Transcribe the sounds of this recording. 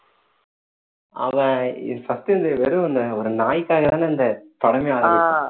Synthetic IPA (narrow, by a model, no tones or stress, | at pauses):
ɐʋɐɪsɐst̪ɪnd̪ɐʋeɾɯ̃ɔnd̪ɐɔɾɯnaːjɪkːaːɣɐt̪aːnɐnd̪ɐpɐɽɐmeaːɾ